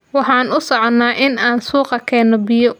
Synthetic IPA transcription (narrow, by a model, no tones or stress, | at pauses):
wɑħɑːnʊsɔʕnːaːʔɪnaːnsuːqɑkʰɛːnɔbɪjɔ